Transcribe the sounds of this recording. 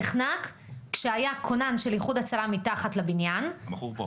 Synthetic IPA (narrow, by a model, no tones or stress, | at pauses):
χnakː | ʃeajakʰo̞nanʃeljiχudat͡salamitaχatlabinjan